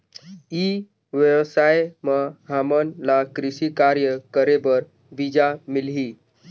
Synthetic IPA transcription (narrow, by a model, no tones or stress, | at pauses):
i | ʋjəwsajməɦamənlakɾisikaɾjəkəɾebəɾ | bid͡ʒamilɦi